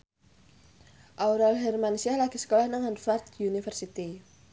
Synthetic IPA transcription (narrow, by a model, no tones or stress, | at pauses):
ʔawɾalɦɛrmansialaɡ̥isə̥kolahnaŋanfart̪unifərsit̪i